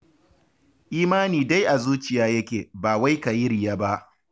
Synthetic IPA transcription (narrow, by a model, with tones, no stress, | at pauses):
ʔiː˦maː˦niː˨da˦jʔa˨zuː˦t͡ʃɪ˨jaː˦jɐ˦kʲeː˨baː˨wa˦jka˨jɪ˦ɾɪ˨jaː˦ba˦ʔ